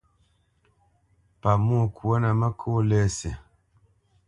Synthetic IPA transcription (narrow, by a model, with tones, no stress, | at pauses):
pa˨mu˦˨kwo˦na˨ma˦kʰo˦lɛ˦˨se˨